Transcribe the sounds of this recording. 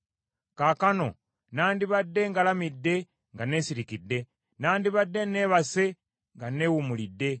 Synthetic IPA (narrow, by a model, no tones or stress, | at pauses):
kaːkano̞̰ | naːndiβadːe̞ŋɡalamidːe̞ | ŋɡane̞ːsiɾikidːe̞ | naːndiβadːe̞ne̞βase̞ | ŋɡaneːwumulidːe̞